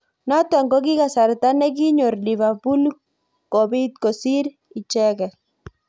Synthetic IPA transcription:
na˦t̪a˨ŋɡo˦k̬i˦ka˨sa˨ɾt̪a˦nɛ˦k̬i˦ɲo˨rliβa˨pu˦l | ko˨bi˦t̪ko˨si˦ɾ | i˨t͡ʃɛ˦kɛ˨

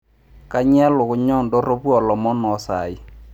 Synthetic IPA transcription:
ka˦ɲ˦ɛ˦lʊ˨ɣʊ˨ɲɔ˦˨ndɔ˦ɾo˦βwɔ˨lɔ˨mɔ˦nɔ˨˦sa̰˨ɪ˦

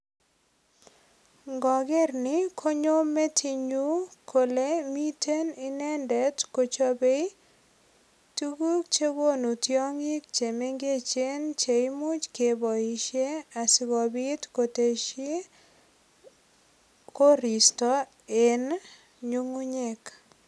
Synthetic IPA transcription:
ŋɡɔ˨ɡɪ˦rnɪ˦kʰo˦ɲo˦mːe˦tʰi˨ɲu˦kʰo˨le˦mi˦te˦ni˦nɛ˦ndɛ˨tko˨t͡ʃo˦be˦i˦ | tu˦ɡu˦k̚t͡ʃe˦wo˦nu˨tjɔ˦ŋɪ˦k̚t͡ʃe˨me˦ŋɡe˦t͡ʃe˦nt͡ʃe˨i˦mʊ˦t͡ʃke˨bɔ˨i˨ʃe˦a˨sɪ˨ɡɔ˨bɪ˦tko˨te˨ʃe˦ | ko˦ɾi˨stɔ˦ | e˨n | ɲu˦ŋu˦ɲe˦k

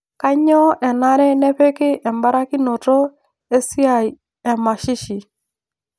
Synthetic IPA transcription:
ka˦ɲɔ˦ʔɛ˨na˦ɾɛ˦nɛ˦pe˦kɪ˦ʔɛ˨mba˦ɾa˦ki˦no˨tɔ˦ | e˦si˦a˨ | ɛ˨ma˨ʃɪ˦ʃi˨

